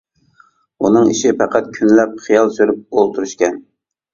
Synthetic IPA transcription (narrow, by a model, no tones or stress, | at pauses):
unɨŋiʃipæqʰæt̪̚kʲʰynlɛp̚χijɑlˠsøɾyp̚olˠt̪ʰuɾyʃkʲɛn